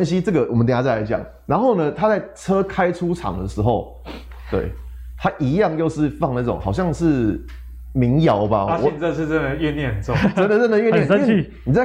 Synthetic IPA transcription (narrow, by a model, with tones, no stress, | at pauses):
nɕi˦t͡sə˥˩ɡə˩wɔ˨mə˦t̪̬ʰa˥t͡sa˥˩la˧˩ɪt͡ɕjɑ̰˨˩ŋ | na˧˦nxo˥˩ʊnə˨t̪ʰa˦t͡sa˥˩ɪt͡sʰɤ˦kʰa˦ɪʈ͡ʂʰu˦ʈ͡ʂʰɑ̰˨˩ŋd̪ə˨˩ʂɻ̩˧˦xo˥˧ʊ | t̪wḛ˥˩ɪ | t̪ʰa˦ʔi˧˥jɑ˥˧ŋjo˥˧ʊʂɻ̩˥˧fɑ˥˧ŋna˥˩ʈ͡ʂʊ̰˨˦ŋxɑ˨ʊɕjɑ˥˧ŋʂɻ̩˥˨ | mi˨˦ŋjɑ˨˥ʊba̰˧wɔ˨t͡sə˥˧ʂ̬̩˥˧ə˥˧nd̪ə˨˩ɛ˥˧njɛ˥˨nə˩nt͡sɔ˥˧t͡sə˥nd̪ə˨ə˥˨nd̪ə˨ɥɛ˥˧njɛ˥˨˥ | ni˨˩t͡sa˥˩